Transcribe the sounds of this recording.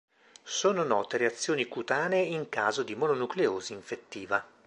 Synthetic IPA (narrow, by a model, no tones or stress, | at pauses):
soːnonɔːt̪eɾeat̪sːjoːnikut̪aːneiŋkaːzod̪imononukleoːziiɱfet̪ːiːva